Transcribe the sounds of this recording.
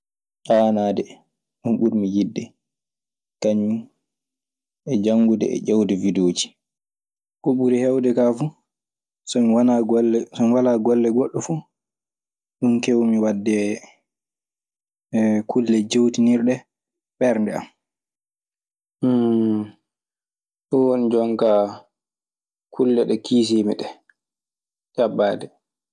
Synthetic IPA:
ʔanaːdɛ | ɗunɓuɾmijidːɛ | kaɲːum | ʔɛd͡ʒaŋɡudɛ̰ɛ̰d͡ʒawdɛvidoːd͡ʒi̥ | ʔuɓuɾihɛwdɛkafu | sɔmiwanaɡɔlːɛsɔmiwalaːɡɔlːɛɡɔɗːɔfu | ɗunkewmiwadːɛ | kʰulːɛd͡ʒewtiniɾɗɛ | ɓɛɾndɛa̰m | ɗɔwonid͡ʒɔŋka | kʰulːɛɗɛkiːs̬imiɗɛ | t͡ʃabːaːdɛ

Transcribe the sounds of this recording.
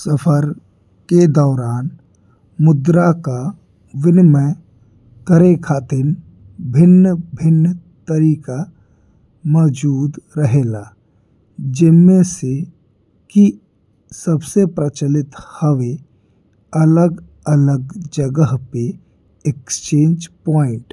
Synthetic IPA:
səpʰəɾ | ked̪ɔːɾaːn | mʊd̪ɾaka | ʋɪnmə̃ | kəɾekʰaːt̪ɪn | bʱɪnːbʱɪnːt̪əɾiːka | mɔːd͡ʒuːd̪ɾəɦela | d͡ʒɪnmese | ki | səbsepɾət͡ʃəlɪt̪həʋe | ələɡ | ələɡd͡ʒəɡəɦpe | ekst͡ʃẽːnd͡ʒpɔːɪ̃ɳʈ

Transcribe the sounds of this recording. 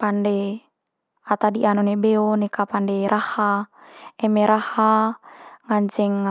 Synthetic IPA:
pandɛ | at̪adiʔanonebeonekapandɛɾʔaha | ɛmeɾaha | ŋaɲd͡ʒɛŋ

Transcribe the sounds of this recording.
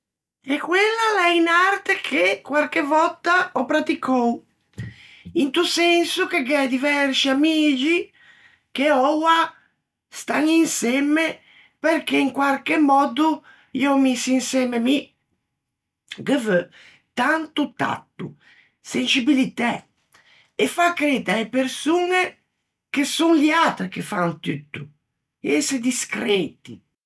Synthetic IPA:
ɛkːwelːalɛinart̪ekʰekwalkevɔt̪ːaɔpɾat̪ikʰɔw | int̪usɛnsukeɡɛd̪ivɛɾsiamiːd͡ʒi | keɔwa | st̪aninsɛme | peɾkeiŋkwalkemːɔd̪u | iomisinsɛmemi | ɡəvø | t̪ant̪ut̪a̰t̪ːṵ | sent͡ʃibilit̪ɛ | efakːɾeːt̪aepeɾsuːne | kesunliat̪ɾekefant̪yt̪ːu | esd̪iskɾɛːt̪ḭ

